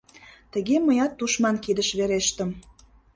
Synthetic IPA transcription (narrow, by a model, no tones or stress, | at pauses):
t̪ə̆ɣeməjɑt̪ːuʃmɑnkid̪əʃβeɾeʃt̪ə̆m